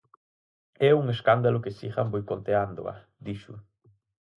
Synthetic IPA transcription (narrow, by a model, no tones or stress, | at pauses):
ɛuŋeskand̪alʊkesiɣambojkont̪eand̪o̰a̰ | d̪iʃʊ